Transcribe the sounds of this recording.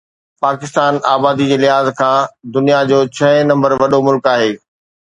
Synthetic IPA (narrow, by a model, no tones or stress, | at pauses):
paːkɪst̪aːnaːbaːd̪id͡ʑeːlɪɦaːzkʰãːd̪ʊnijad͡ʑoːt͡ɕʰɐnɐ̃mbəɾʋɐɗomʊlkaːɦeː